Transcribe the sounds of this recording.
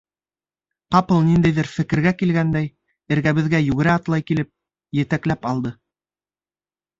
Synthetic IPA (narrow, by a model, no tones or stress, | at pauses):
qɑpɤlˠnind̪æjðɘɾfɘ̆kɘ̆ɾɡækilɡænd̪æj | ɘ̆ɾɡæβɘ̆ðɡæjʉɡɘ̆ɾæɑt̪lˠɑjkilɘp̚ | jɘ̆t̪æklæpɑlˠd̪ɤ